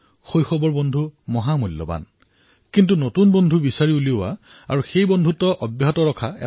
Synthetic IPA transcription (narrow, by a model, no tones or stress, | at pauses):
xojxɔbɔɹbɔndʱumɔɦamulːɔ̰ba̰n | kintunotunbondʱubisaɹiuliʊwa̰ | a̰ɹuxejbɔndʱutɔʔɔbjaɦɔtɔɹɔkʰaɛ̰